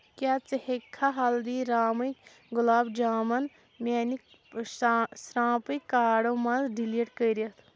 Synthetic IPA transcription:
kjaːt͡səhekʰːaɦaːld̪iːɾaːmɐk | ɡʊlaːbd͡ʒaːmɐn | mʲaːni | sɾãːpikaːɽomɐ̃zɖiliʈkəjɾijɐt̪ʰ

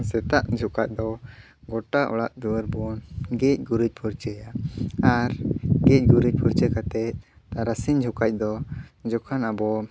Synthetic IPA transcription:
sɛt̪aʔd͡ʒʱukac̚d̪ɔ | ɡɔʈaʔɔ̰ɽaʔd̪uɾbɔnɡɛc̚ˀɡuɾuc̚pʰuɾt͡ʃɛjaaɾɡɛc̚ˀɡuɾuc̚pʰuɾt͡ʃɛkat̪ɛt̪̚ | t̪aɾasiɲd͡ʒʱukac̚d̪ɔd͡ʒɔkʰanabɔ

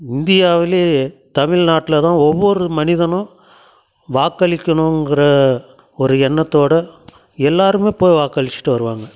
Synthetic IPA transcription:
ɪnd̪ɪjaːʋɪleːt̪ɐmɪɻnaːʈːɪlɐt̪ãːɔʋːɔɾɯmɐnɪðɐnʊ̃ | ʋaːkːɐɭɪkʲːɐɳʊ̃ŋɡɪɾɐ | ɔɾɯɛɳːɐt̪ːoːɽɐ | ɛlːaːɾɯmeːpoːjʋaːkːɐɭɪt͡ʃːɪ̥ʈːɯʋɐɾɯʋaːŋɡɐ

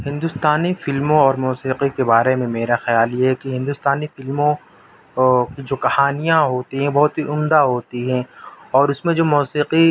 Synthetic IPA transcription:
hɪ̃nd̪ʊst̪aːnifɪlmõɔːɾmɔːsiːqikebaːɾemẽmeːɾaxɐjaːljeɦɛkiɦɪ̃nd̪ʊst̪aːnifɪlmõ | kid͡ʒoːkɐhaːnijãɦoːt̪iɦɛ̃bɔɦʊt̪ɦiʔʊmd̪aɦoːt̪iɦɛ̃ɔːɾʊsmẽd͡ʒoːmuːsiːqi

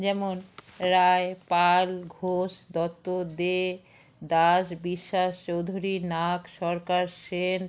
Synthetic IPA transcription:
d͡ʑɛmonɾaepalɡʱoʃd̪ɔt̪ːod̪e | d̪aʃbiʃːaʃt͡ɕowd̪ʱuɾinakʃɔɾkaɾʃen

